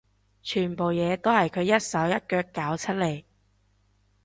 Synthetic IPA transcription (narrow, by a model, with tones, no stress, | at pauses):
t͡ʃʰyː˨˩npo˨wjɛː˨˧t̪o˥whɐ˨jkʰɵ˨˧jɐ˥t̚sɐ˨˥wjɐ˥t̚kœː˧kːaː˨˥wt͡sʰɐ˥t̚le˨˩j